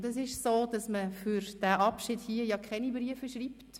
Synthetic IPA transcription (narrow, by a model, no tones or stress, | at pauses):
dɛsɪʃsoːd̥ɑsməfyɾd̥æːʔɑpʃiːdhiːəjɑkʰχɛnibɾiəfəʃɾiːpt